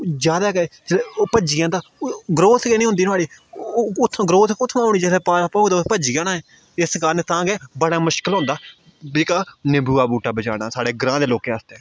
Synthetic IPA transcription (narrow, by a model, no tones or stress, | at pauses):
d͡ʒjaːd̪aːkɛd͡ʒpəd͡ʒijãːt̪aːɡɾoːt̪ʰɡɛːnĩːɦʊ̃nd̪iːnaːɽiː | ʊt̪ʰːɡɾoːt̪ʰkʊt̪ʰːmãːoːɽ̃iːd͡ʒelɛːpaːɾapaːɦoːid̪aːpəd͡ʒiːãːnãːɛː | ɪskaːɾnet̪ãːɡɛːbəɽaːmʊʃkəlɦʊ̃nd̪aː | bikaːnɪbuːaːbuːʈaːbəd͡ʒa̰ːɽ̃a̰ːsaːɽeːɡɾãːd̪eːloːkeːaːst̪eɛ̃ː